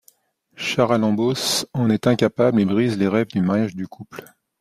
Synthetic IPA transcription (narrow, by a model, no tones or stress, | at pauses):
ʃaʁalɑ̃bosɑ̃nɛt̪ɛ̃kapablebʁizleʁɛvd̪ymaʁjaʒd̪ykʰupl